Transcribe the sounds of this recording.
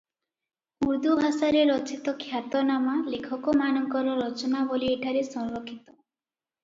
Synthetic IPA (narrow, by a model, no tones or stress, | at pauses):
uɾd̪ubʱasaɾeɾɔt͡ʃit̪ɔkʰjat̪ɔnamalekʰɔkɔmanɔŋkɔɾɔɾɔt͡ʃɔnabolieʈʰaɾesɔ̃ŋɾokʰːit̪ɔ